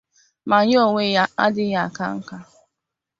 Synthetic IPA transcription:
ma˨ɲ˦o˨ŋʷe˦ja˦a̰˦dɪ˦ja˦a˨ka̰˦ŋ̩˦ka˦

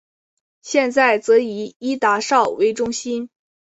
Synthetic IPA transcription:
ɕjɛ˥˧nt͡sa˥˩ɪt͡sɤ˧˥i˧˥i˥t̪a˧˥ʂɑ˥˩ʊwe˧˥ɪʈ͡ʂʊ˥ŋɕi˥n

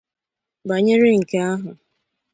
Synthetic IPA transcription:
ba˨ɲe˦ɾɪ˦ŋ̩˨ke˦a˦ɦʊ˨

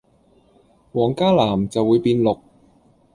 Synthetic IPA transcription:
wɔː˨˩ŋkaː˥laː˨˩mt͡sɐ˨wːuː˨˧jpiː˧nlʊ˨k̚

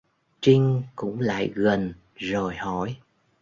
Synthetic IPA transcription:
t͡ɕï˧ŋkʊ̰˧˥ŋ͡mla̰ː˧˨jɣə˨˩n | zo˨˩jhɔ˧˩˨j

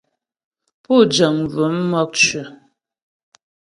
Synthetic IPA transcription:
pu˦˨d͡ʒə˨ŋ˨və˨˦mːɔ˦k̚t͡ʃʉ˨

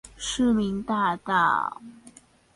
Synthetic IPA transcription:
ʂɻ̩˥˩mi˧˥ŋt̪a˥˧t̪ɑ˥˩

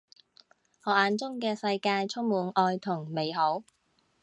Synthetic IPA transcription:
hɔː˨˩aː˨˧nt͡sʊ˥ŋkɛː˧sɐ˧jkaː˧jt͡sʰʊ˥ŋmuː˨˥nʔɔː˧jt̪ʰʊ˨˩ŋme˨˧jɦo˨˥w

